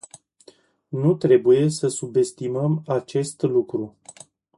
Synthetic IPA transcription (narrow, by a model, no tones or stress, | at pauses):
nut̪ɾe̞buje̞səsube̞st̪iməmat͡ʃe̞st̪lukɾu